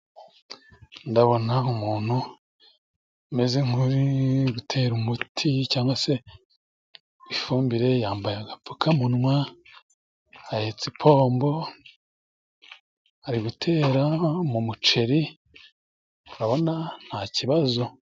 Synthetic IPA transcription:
ndaβo̞naumuːn̥hu | me̞zeŋ̥huɾiɡutʰe̞ːɾumutʰicaːŋɡwase̞ | βifuːmbiɾe̞jaːmbajaɡapukʰamunŋwa | ajet͡sipʰo̞ːmbo̞ | aɾiɡutʰe̞ːɾamumut͡ʃe̞ɾi | uɾaβo̞nan̥haciβazo̞

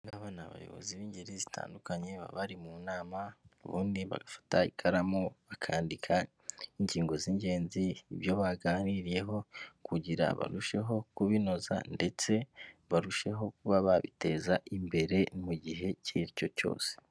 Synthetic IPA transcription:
ŋɡaβanaβa̰jo̞̰βo̞̰ziβiːɲɟeɾizitʰa̰ːndukaɲe̞βa̰βaɾimunaːmauβuːndiβa̰ɡafḁtaikʰaɾamoβakʰaːndikʰa | iɲɟiːŋɡo̞ziɲɟe̞ːnziːβjo̞βaɡaːniɾije̞ɦo̞kuɟiɾa̰βa̰ɾuʃe̞ɦo̞kuβino̞za̰nde̞t͡se̞βaɾuʃe̞ɦo̞k̚uβaβaβite̞ːzaʔimbe̞ɾe̞nimuɟiɦe̞ciɾico̞co̞̰ːse̥

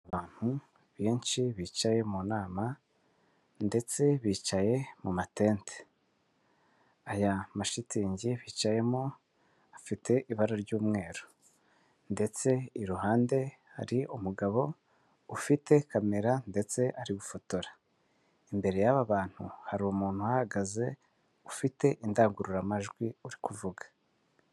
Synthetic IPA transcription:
aβaːn̥hu | βjiːnʃiβiːt͡ʃaje̞munaːma | nde̞t͡se̞βiːt͡ʃaje̞mumateːntʰe̥ | ajamaʃitiːɲɟiβiːt͡ʃaje̞mo | afitʰe̞ʔiβaɾaɾɟuːmŋe̞ːɾo | nde̞t͡se̞iɾuɦaːnde̞ | ha̰ɾiumuɡaβo̞ | ufite̞kame̞ɾande̞t͡se̞ʔaɾiɡufotoɾa | imbe̞ɾe̞jaβaβaːn̥huhaɾioumuːn̥huhahaɡaze̞ | ufite̞ʔindaːŋɡuɾuɾamaʒɡwiuɾikuvuɡḁ

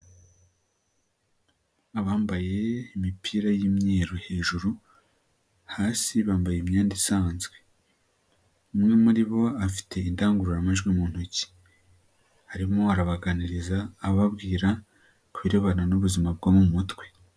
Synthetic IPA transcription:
aβaːmbaje̞imipʰiːɾajimɲeːɾohe̞ːʒuɾu | haːsiβaːmbajemɲaːndisaːnzɡwe̞ | umŋe̞muɾiβo̞afi̥tʰe̞indaːŋɡuɾuɾamaʒɡwimuːn̥huci̥ | haɾimo̞aɾaβaɡaniɾizaːβabɡiːɾa | kuβiɾeβananuβuzimab̚ɡamuumutwe̞

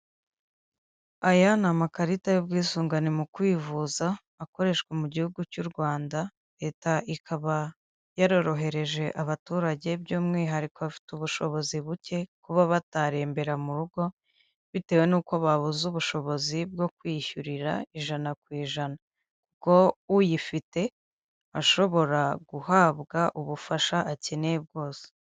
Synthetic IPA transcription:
ajanamakaɾitajobɡiːsuːŋɡanimukwiːvuzaː | ko̞ɾe̞ʃkwemuɟihuɡucuːɾɡwaːnda | ɾe̞ːtaʔikʰaβa | jaɾo̞ɾo̞ɦe̞ɾe̞ʒe̞ʔaβatuːɾaɟe̞bɟuːmŋiːɦaɾikoβafi̥tuβuʃo̞̰βo̞ziβuce̞kuβaβataɾe̞ːmbe̞ɾamuɾuɡo̞ | βite̞ːwe̞nuːko̞βaβuzuβuʃo̞βo̞zib̚ɡo̞kwiːçuɾiɾa̰iʒanakwiːʒana | kuko̞ujifite̞ | aʃo̞βo̞ɾaɡuhaːβɡaʔuβufaʃaʔaceneb̚ɡo̞ːse̥

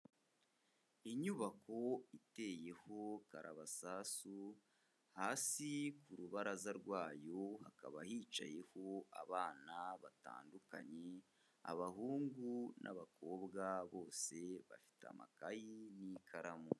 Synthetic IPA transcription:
iɲuβako̞ite̞ːje̞ho̞kaɾʔaβasasu | haːsikuɾuβaɾazaɾɡwaːjo̞hakaβahiːt͡ʃa̰je̞ho̞aβaːnaβata̰ːnduka̰ɲe̞ | a̰βaɦuːŋɡunʔa̰βako̞ːbɡaβo̞ːse̞βa̰fi̥ta̰ma̰kajinikʰaɾamu

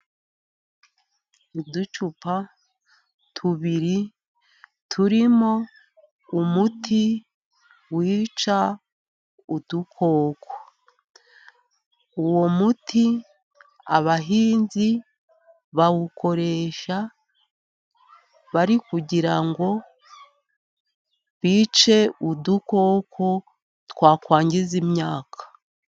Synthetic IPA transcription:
idut͡ʃupa | tʰuβiɾi | tʰuɾimo̞ | umutʰi | wiːt͡ʃa | udukʰo̞ːko̥ | uwo̞mutʰi | a̰βaɦiːnzi | βawuko̞ɾe̞ʃa | βaɾikuɟiɾaŋɡo̞ | βiːt͡ʃe̞uduko̞ːkʰo̞ | twaːkwaːɲɟizimɲaːkʰḁ

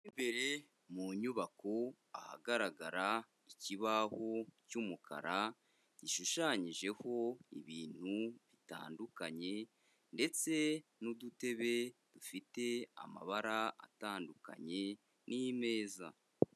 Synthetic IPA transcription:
imbe̞ɾe̞ | muɲuβako̞ | aha̰ɡaɾaɡaɾa | iciβaho̞cuːmukʰa̰ɾa | ɟ̥iʃuʃaɲiʒe̞ho̞ḭβiːn̥huβita̰ːndukaɲe̞ | nde̞t͡se̞nudute̞βe̞d̥ufite̞a̰ma̰βaɾaa̰taːnduka̰ɲe̞ | nʔijme̞ːza

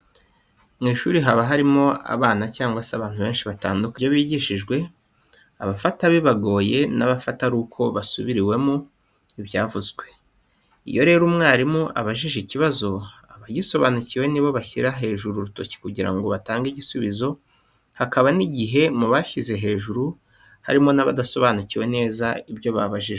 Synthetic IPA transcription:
mŋiːʃuːɾiɦaβaɦaɾimo̞a̰βaːnacaːŋɡwaseaβaːn̥huβe̞ːnʃiβataːndukajoβiːɟiʃiʒɡwe̞ | aβafataβiβaɡo̞ːje̞naβafataɾuːkʰo̞βasuβiɾiwe̞mu | iβjaːvuzɡwe̞ | ḭjo̞ɾe̞ːɾumŋaːɾimuʔa̰βaʒiʒiciβazo̞aβaɟiso̞βanuciwe̞niβo̞βaçiɾaɦe̞ːʒuɾuɾuto̞ci̥kuɟiɾa̰ŋɡo̞βataːŋɡiɟisuβizo̞ | hakaβaniɟiɦe̞muβaçize̞ɦe̞ːʒuɾu | ha̰ɾimo̞naβa̰daso̞βaːnuciwe̞ne̞ːzaibjo̞βaβaʒiʒ

